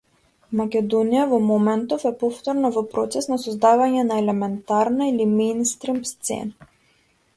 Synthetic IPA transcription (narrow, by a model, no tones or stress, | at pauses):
makʲɛd̪ɔnijavɔmɔmɛnt̪ɔfɛpɔft̪ɔɾnavɔpɾɔt̪sɛsnasɔzd̪avaɲɛnaɛlɛmɛnt̪aɾnailimɛjnst̪ɾimst̪sɛ̰na